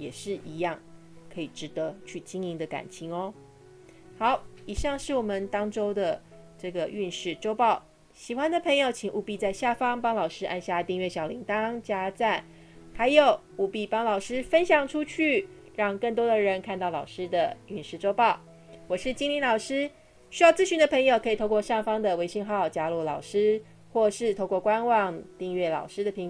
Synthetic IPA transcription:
jɛ˨˩ʂɻ̩˥˩ʔi˧˥jɑ˥˩ŋ | kʰɤ˧˥i˨˩ʈ͡ʂɻ̩˧˥t̪ə˧˦t͡ɕʰy˥˩t͡ɕi˥ŋi˧˥ŋd̪ə˨ka̰˨˩nt͡ɕʰi˧˥˦ŋɔ˧ | xɑ˨˧˦ʊi˨˩ʂɑ˥˧ŋʂɻ̩˥˩wɔ˨˩mə˨˦nt̪ɑ˥ŋʈ͡ʂo˥ʊd̪ə˨ | ʈ͡ʂɤ˥˩ɡə˩ʔy˥˧nʂɻ̩˥˩ʈ͡ʂo˥ʊpɑ˥˩ʊ | ɕi˨˩xwa˧˦nd̪ə˨pʰɤ˧˥ŋjo˧ʊt͡ɕʰi˨˩ŋʔu˥˧pi˥˧t͡sa˥˧ɪɕja˥˩fɑ˥ŋpɑ˥ŋlɑ˨˩ʊʂɻ̩˥ʔa̰˥˧nɕja˥˧t̪i˥˧ŋɥɛ˥˩ɕjɑ˨˩ʊli˧˥ŋt̪ɑ˥ŋt͡ɕja˥t͡sa˥˩n | xa˧˥ɪjo˧˥ʊ | u˨˩pi˥˩pɑ˥ŋlɑ˨˩ʊʂɻ̩˥fə˦˥nɕjɑ˨˩ŋʈ͡ʂʰu˥t͡ɕʰy˥˩ | ɻɑ˥˧ŋkə˥˩ŋt̪̬wɔ˥d̪ə˨ɻə˧˦˥nkʰa˥˧nt̪ɑ˥˩ʊlɑ˨˩ʊʂɻ̩˥d̪ə˨y˥˧nʂɻ̩˥˩ʈ͡ʂo˥ʊpɑ˥˩ʊ | wɔ˨˩ʂɻ̩˥˩t͡ɕi˥ŋli˧˥nlɑ˨˩ʊʂɻ̩˥ | ɕy˥jɑ˥˧ʊt͡sɹ̩˥˧ɕy˧˥nd̪ə˧pʰə˧˥ŋjo˨˧ʊkʰɤ˧˥i˨˩t̪ʰo˥˧ʊkwɔ˥˧ʂɑ˥˩ŋfɑ˥ŋd̪ə˨we˧˥ɪɕi˥˧ŋxɑ˥˧˩ʊt͡ɕja˥lu˥˩lɑ˨˩ʊʂɻ̩˥ | xwɔ˥˧ʂɻ̩˥˧t̪ʰo˥˧ʊkwɔ˥˩kwa˦nwɑ˥˧ŋt̪i˥˧ŋɥɛ˥˩lɑ̰˨˩ʊʂɻ̩˥d̪ə˨pʰi˧˥ŋ˨˦

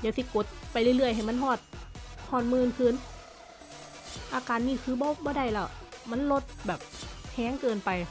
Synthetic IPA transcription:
jaː˧˩k̚si˧˦ko˧˦t̪̚pa˨jlɯ˧˨lɯ˧˩əjɦa˨˩jma˧˥nɦɔː˧˩t̪̚hɔː˧˩t̪̚mɯː˧˨nkʰɯː˧˥˨n | ʔaː˧kaː˨nːiː˧˩kʰɯː˧˦bɔː˧˦bɔː˧˦da˧˩˨jla˧˩ma˧˥˨nlo˧˥t̪̚bɛː˨˩p̚hʰɛː˧˥˦ŋkɤː˧npa˨j

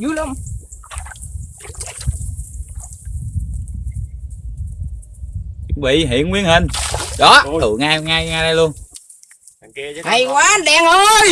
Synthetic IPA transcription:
zu˨˦la˨˧m | t͡ɕʊ˧˦ŋ͡mvḭ˧˨ɦḭ˧˨ənwi˧ənhi˨˩ŋɗɔ˨˦ɨ̰˧˨ŋaː˧jŋaː˧jŋaː˧ɗa˧jlu˧ən | hə˧˩jkwaː˨˦˥nɗɛ˧ŋhə˧j

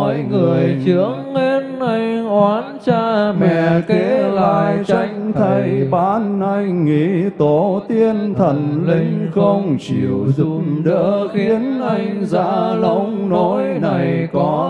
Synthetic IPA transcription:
jŋɨ˨˩əjt͡ɕɨ˨˦əŋːe˧nʔa˧jŋʔwaː˨˦nt͡ɕaː˧mɛ̰˧˩˨ke˨˧˦laː˧jt͡ɕa˨˦jŋ̟t̪ʰa˧jɓaː˨˦nːa˧jŋḭ˧˥t̪o˧˦t̪i˧ənt̪ʰə˨˩nlï˧˦ŋ̟xə˧wŋ͡mt͡ɕḭ˨˩əwzɨu˨˩mɗə̰ː˧˦xi˦ənʔa˧jŋza̰ː˧˥lə˧˦wŋ͡mno˨˦jna˨˩jkɔ˨˦

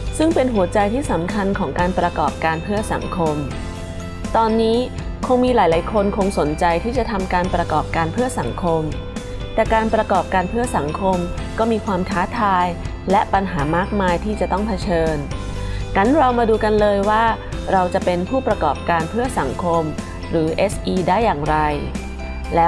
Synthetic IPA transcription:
sɯ˥˩ŋpe˧nɦu˩˦ɐt͡ɕa˧jt̪ʰiː˥˩sa˩˦mkʰa˧nkʰɔː˩˦ŋkaː˧npɾa˧kɔː˨˩p̚kaː˧npʰɯ˥˩ɐsa̰˩˦ŋkʰo˧m | t̪ɔː˧nːiː˦˥ | kʰo˧ŋmiː˧laː˩˦jlaː˩˦jkʰo˧nkʰo˧ŋso˩˦nt͡ɕa˧jt̪ʰiː˥˩t͡ɕa˨˩t̪ʰa˧mkaː˧npɾa˧kɔː˨˩p̚kaː˧npʰɯ˥˩ɐsa˩˦ŋkʰo˧m | t̪ɛː˨˩kaː˧npɾa˧kɔː˨˩p̚kaː˧npʰɯ˥˩ɐsa˩˦ŋkʰo˧mkɔː˥˩miː˧kʰwaː˧mkʰaː˦˥t̪ʰaː˧j | lɛ˦˥ʔpa˧nɦaː˩˦maː˥˩k̚maː˧jt̪ʰiː˥˩t͡ɕa˨˩t̪ɔ˥˩ŋpʰa˧t͡ɕʰɤː˧n | ka˦˥nɾa˧wmaː˧duː˧ka˧nlɤː˧jwaː˥˩ | ɾa˧wt͡ɕa˨˩pe˧npʰuː˥˩pɾa˧kɔː˨˩p̚kaː˧npʰɯ˥˩ɐsa˩˦ŋkʰo˧m | ɾɯː˩˦ʔe˦˥sʔiː˧daː˥˩jːaː˨˩ŋɾa˧j | lɛː˦˥

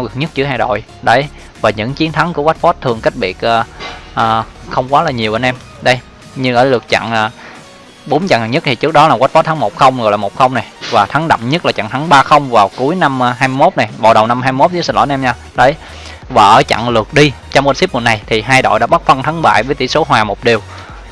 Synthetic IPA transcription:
a˨˧wɣɨ˨˩ŋ̚ɲə˦˥t̚t͡ɕɨ˨˦əɦaː˧jɗo̰˧˨j | ɗə˨˦j | vaː˨˩ɲɨ̰˧˥ŋt͡ɕi˨˦ənt̪ʰa˨˦ŋku˧˩əwa˦˥t̚fɔ˨˦˥t̚t̪ʰɨ˨˩əŋka˦˥jk̚ɓi˨˩ət̚ʔəː˨˩ʔəː˨˩xə˧wŋ͡mkwaː˨˦laː˨˩ɲi˨˩əwʔə˧nʔɛ˧m | ɗə˧j | ɲɨ˧ləː˧˩˦lɨ˨˩ək̚t͡ɕa̰˧˨ŋəː˨˩ | ɓo˨˦nt͡ɕa̰˧˨ŋ˨˩ɲə˦˥t̚t̪ʰi˨˩ɨ˦˥ək̚ɗɔ˨˦laː˨˩kwa˦˥t̚fɔ˨˦˥t̪ʰa˨˦ŋmo˨˩t̚xə˧wŋ͡mɔ̰˨jlaː˨˩mo˨˩t̚xə˧wŋ͡mna˨˩jvaː˨˩t̪ʰa˨˦ŋɗə̰˧˨wŋ͡mɲə˦˥t̚laː˨˩t͡ɕa̰˧˨ŋt̪ʰa˨˦ŋɓaː˧xə˧wŋ͡mvaː˨˩wku˨˦əjna˧m˧ɦaː˧jmɨ˧jmo˦˥t̚na˨˩jɓa̰ː˧˩wɗə˨˩wna˧mhaː˧jmɨ˧mo˦˥zi˨˦snlo̰˧˩˨ʔɛ˧mɲaː˧ | ɗə˨˦j | vaː˨˩ʔəː˧˩˦t͡ɕa̰˧˨ŋlɨ˨˩ək̚ɗi˧ | t͡ɕɔ˧wmʔə˧nsi˦˥p̚o˨˩n̚a˨˩jt̪ʰi˨˩ɦaː˧jɗo̰˧˨jɗa̰ː˧˥ɓa˦˥t̚fə˧nt̪ʰa˨˦ŋɓa̰ː˧˨jvəː˨˦jt̪ḭ˧˩so˨˦ɦwaː˨˩mo˨˩ɗi˨˩əw

